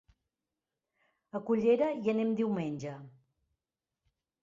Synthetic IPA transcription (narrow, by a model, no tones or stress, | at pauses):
əkuʎeɾəiənemd̪iwmenʲʒə